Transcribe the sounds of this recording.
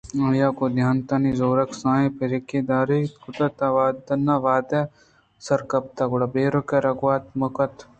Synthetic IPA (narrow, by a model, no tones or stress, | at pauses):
ɐjaːkod̪ʱjaːnt̪anizoːɾɐksãːjẽpʰeɾeked̪aːɾet̪kʊt̪ɐt̪aʋaːd̪ɐnːaʋaːd̪e | sɐɾkɐp̚t̪aɡʊɽabeːɾokeɾɐɡʋaːt̪mɐkɐt̪